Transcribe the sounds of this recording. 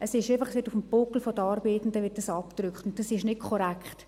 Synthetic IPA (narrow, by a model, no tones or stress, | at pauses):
ʔɛsɪʃefɑχəsʋɪtufəm̩bʊkl̩fod̥əɑɾbeːtn̩dəʋɪt̚dɑsɑptɾʏkχtʊnt̚d̥ɑsɪʃnɪtkʰɔɾɛkχt